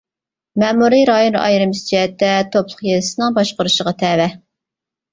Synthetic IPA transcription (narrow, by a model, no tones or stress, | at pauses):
mɛmuɾiɾɑjonɑ̰jɾɨmst͡ʃʰɛt̪ːɛt̪ʰoplˠʊχjelɪsɨnɨŋbɑʃqəɾuʃəʁɑt̪ʰɛvɛ